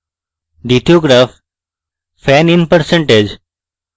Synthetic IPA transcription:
ɖit̪ʰioɡɾaf | fɛninpəɾsẽɳʈed͡ʒ

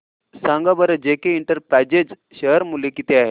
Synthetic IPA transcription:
sãŋɡabəɾəd͡ʑekeiɳʈəɾpɾæd͡ʑed͡z | ɕəɦəɾmulekit̪eaɦe

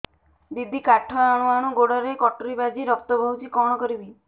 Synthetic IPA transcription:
bibʱikaʈʰɔaɽ̃uaɽ̃uɡoɽɔɾekɔʈoɾibad͡ʒiɾɔk̚t̪ɔbʱɔɦut͡ʃikɔɽ̃ɔkɔɾibi

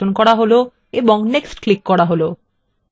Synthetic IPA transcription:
onkɔɽaɦolo | eboŋneksʈklikːɔɽaɦolo

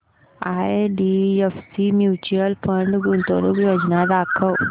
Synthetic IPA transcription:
ajɖiefsimjut͡ɕuəlfəɳɖɡunt̪oɾuːkjod͡ʑnad̪akʰəw

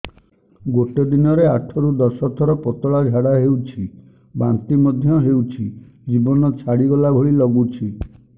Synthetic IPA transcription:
ɡoʈɔd̪inɔɾeaʈʰɔɾud̪ɔsɔt̪ʰɔɾɔpɔt̪ɔɭad͡ʒʱaɽaɦewt͡ʃʰi | bant̪imɔd̪ʱjɔɦewt͡ʃʰi | d͡ʒibɔnɔt͡ʃʰaɽiɡɔlabʱɔɭilɔɡut͡ʃʰi

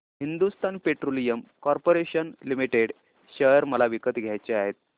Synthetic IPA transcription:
ɦind̪ust̪anpeʈɾolijəmkɔɾpoɾeɕənlimiʈeɽ | ɕəɾməlaʋikət̪ɡʱjajt͡ɕeaɦet̪̚

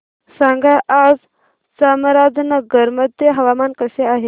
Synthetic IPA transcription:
sãŋɡaʔad͡z | samɾad͡znəɡʱəɾməd̪jəɦəʋamankəseaɦe

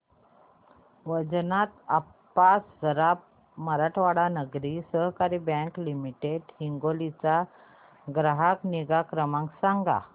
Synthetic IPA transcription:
ʋəd͡znat̪apː | assəɾap̚ | məɾaʈʰʋaɽanəɡɾisəɦkaɾibãŋklimiʈeɖhiŋɡolit͡sa | ɡɾaɦakniɡakɾəmãŋksaŋɡa̰

